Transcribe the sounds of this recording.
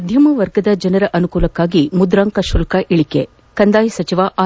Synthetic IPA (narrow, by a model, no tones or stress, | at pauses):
ɐd̪ʱjɐmɐʋɐɾɡɐd̪ɐd͡ʒɐnɐɾɐʔɐnukuːlɐkːaːɡimud̪ɾaːŋkɐʃulkɐʔiɭikḛ | kɐnd̪aːjɐsɐt͡ʃiʋaʔa